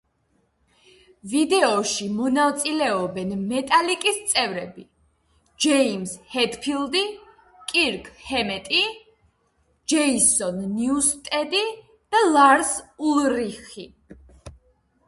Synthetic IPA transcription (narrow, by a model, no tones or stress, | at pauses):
vid̪ɛɔʃimɔnavt̪sʼilɛɔbɛnmɛt̪ʼalikʼist̪sʼɛvɾɛbi | d͡ʒɛimshɛt̪pʰilˠd̪i | kʼiɾkʼhɛmɛt̪ʼi | d͡ʒɛisɔnːiust̪ʼɛd̪i | d̪̥alaɾsulˠɾiχi